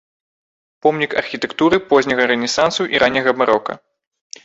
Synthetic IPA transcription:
pɔmnʲikɐ̰rxʲit̪ɛkt̪uɾɨpɔzʲnʲɐɣɐɾɛnʲɛsansuʔiɾʔanʲːɐɣɐbmaɾɔkɐ̰

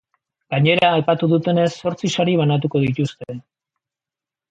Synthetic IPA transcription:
ɡ̥aɲe̞ɾaːjpat̪uðut̪e̞ne̞sːo̞ɾt͡sisaɾiβ̞anat̪̬uko̞ðit̪ust̪e̞

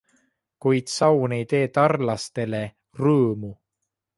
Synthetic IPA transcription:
kujd̪̥sɑwne̞jt̪e̞ːt̪ɑrlɑst̪e̞le̞ | rɤːmu

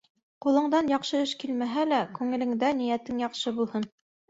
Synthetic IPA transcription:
qulˠɤ̆ɴd̪ɑnjɑqʃɤɘʃkilmæɦælækʉŋɘ̆lɘ̆ŋd̪ænijæt̪ɘŋjɑqʃɤbulˠhɤn

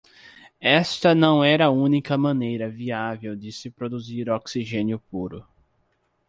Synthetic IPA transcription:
ɛst̪ɐnɐ̃w̃ɛɾɐũnikɐmɐ̃nejɾɐviavewd͡ʒ̪ɪsɪpɾod̪uziɾoksiʒẽnjʊpuɾʊ

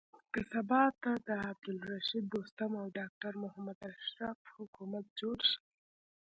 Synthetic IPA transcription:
kəsabɑt̪ːad̪əab̚d̪ʊlɾaʃid̪̚ːost̪amawɖɑk̚ʈaɾmʊhamad̪aʃɾafhʊkumat̪̚d͡ʒoɽʃ

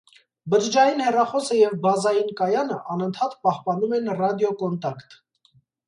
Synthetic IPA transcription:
bəɾd͡ʒɑjinhɛrɑχɔsəjɛvbɑzɑjinkɑjɑnəʔɑnənt̪ʰɑt̪pɑhpɑnumɛnrɑd̪jɔkɔnt̪ɑkt̪

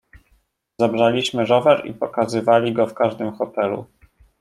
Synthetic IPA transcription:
zabʐalʲiɕmɘʐɔvɛɾḭpɔkazɘvalʲiɡɔfkaʐd̪ɘmxɔt̪ɛlṵ

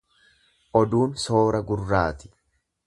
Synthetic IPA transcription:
ʔɔd̪uːnso̞ːɾɐɡʊrːaːt̪ɪ̥

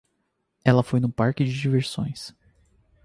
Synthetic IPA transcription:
ɛlɐfojnʊpaɾkɪd͡ʒɪd͡ʒiveɾsõ̰j̃s

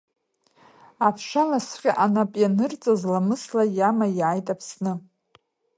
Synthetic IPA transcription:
apʰʂanasqʲʼaʔanapʼjanɨrt͡sʼazlamɨslajamajʕajtʼapʰsnɨ

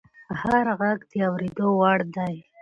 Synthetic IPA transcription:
haɾɣaɡd̪əawɾed̪owaɽd̪aj

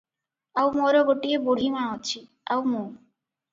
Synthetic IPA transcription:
awmoɾoboʈieboɽ̤ʱimãot͡ɕʰi | awmo

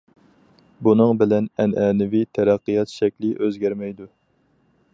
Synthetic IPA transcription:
bunɨŋbɪlɛnɛnʔɛːnɪvit̪ʰɛɾæqːɨjɑt̪ʃɛkʲlɪʔøzɡʲæɾmɛjd̪u

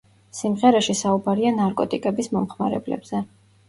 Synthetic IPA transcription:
simʁɛɾɛʃisaubaɾianaɾkʼɔt̪ʼikʼɛbismɔmχmaɾɛ̰blɛ̰bz̥ɛ

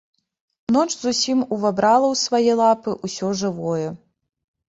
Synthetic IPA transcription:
nɔt͡ʂzusʲimuvabɾalˠɐwsvajɛlˠapɨʔusʲɔʐɨvɔjɛ

